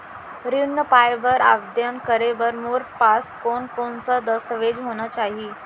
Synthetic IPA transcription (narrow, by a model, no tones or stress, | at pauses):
ɾinːəpajʋəɾa̰ʋd̪jənkəɾeʋəɾmoɾpaskonkonsad̪əst̪əʋed͡ʑɦoñat͡ɕaɦi